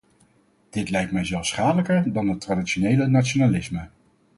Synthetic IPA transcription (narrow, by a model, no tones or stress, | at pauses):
d̥ɪtlɛjktmɛjzɛlˠfsχaːdələkəɹdɑnɦətradiʃonejlənatt͡ʃonalɪsmə